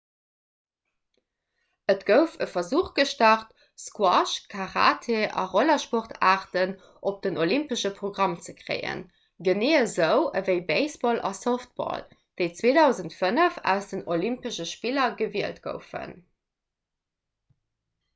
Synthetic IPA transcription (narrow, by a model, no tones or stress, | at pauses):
ətɡ̥əʊfəfɐzuːχɡ̥əʃtɑχt̚ | skwɑʃkʰɑʁa̰ːtʰeʔɑ̰ʁolɐʃpoʁtʰaːʁtən | ʔop̚d̥ənolimpəʃəpʁoɡʁɑmt͡səkʁḛɪə̰n | ɡəneːəzəʊəvəɪbeɪsb̥ɔlʔɑ̰soft̚b̥ɔ̰l | d̥əɪt͡sweːdɑʊzəntfənəfæ̰ʊsd̥ənolimpəʃəʃpilɐɡəviəltɡ̥ə̰ʊfə̰n